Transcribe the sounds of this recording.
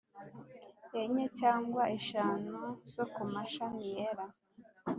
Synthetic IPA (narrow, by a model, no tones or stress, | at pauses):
eɲecaːŋɡwaʔeʃaːnuz̥okumaʃanijeɾa